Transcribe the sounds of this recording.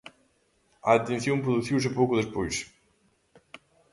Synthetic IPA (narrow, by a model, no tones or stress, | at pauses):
ɐt̪ẽnθjõmpɾuðuθiws̬ɪpowkʊðespojs